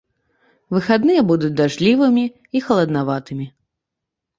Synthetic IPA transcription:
vɨxad̪nɨjɛbud̪ut͡sʲd̪aʐlʲivɨmʲiː | xɐlˠɐd̪navat̪ɨmʲi

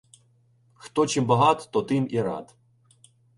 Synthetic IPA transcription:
xt̪ɔt͡ʃimbɐɦɑt̪t̪ɔt̪ɪmiɾɑ̰d̪

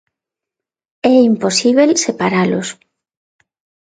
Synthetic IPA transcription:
ɛimposiβelsepaɾalos

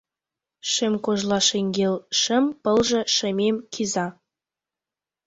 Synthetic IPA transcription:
ʃemkoʒlɑʃeŋɡelʃə̆mpə̆lʒĕʃə̆mʲemkʰizɑ

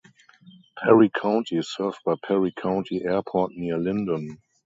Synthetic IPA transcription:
pʰɛɹikʰãʊ̃ntʰisɜ˞vb̥aɪpʰɛɹikʰãʊ̃ntʰiʔɛɐpʰɔtniɐlɪ̃ndə̃n

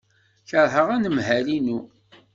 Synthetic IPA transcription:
çəɾˤɦəʁænəmhælinu

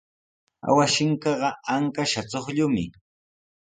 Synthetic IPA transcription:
a̰waʃɪŋkɑɢɑaŋkaʃat͡soχʎʊmɪ̰

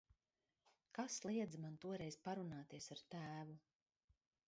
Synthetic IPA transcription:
kaslˠiɛd̪zmant̪uɔɾɛjz̥paɾunaːt̪iɛsaɾt̪æːvu

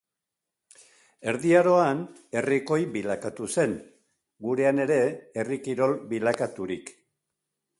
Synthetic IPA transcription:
e̞ɾðiaɾo̞an | e̞riko̞jbilakat̪use̞n | ɡuɾe̞ane̞ɾe̞ːrikiɾo̞lbilakat̪uɾik

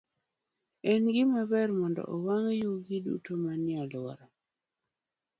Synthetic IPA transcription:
ɛnɡɪmabɛrmɔndɔ̰ʔowaŋjuɡidṵtomanɪalɔ̰ɾɔ

